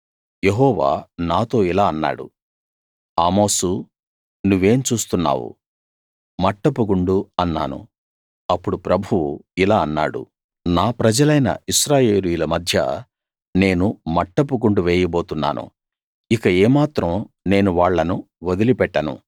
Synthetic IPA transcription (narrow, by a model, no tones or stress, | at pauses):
jeɦɔːʋa̰ːnaːt̪o̞ːilaːɐnːa̰ːɽṵ | aːmo̞ːsu | nuʋːe̞ːmt͡ʃuːst̪unːa̰ːwṵ | mɐʈːɐpuɡuɳɖuɐnːa̰ːnṵ | ɐpːuɽupɾɐbʱuwuilaːɐnːa̰ːɽṵ | naːpɾɐd͡ʒɐlɐjnɐ̰ʔiʃɾaːje̞ːlujulɐmɐd̪ʱjɐ̰ | ne̞ːnumɐʈːɐp̬uɡuɳɖuʋeːjɐbo̞ːt̪unːa̰ːnʔṵ | ikɐɛːmaːt̪ɾɐm | ne̞ːnuʋaːɭːɐnu | ʋod̪ilipɛʈːɐnṵ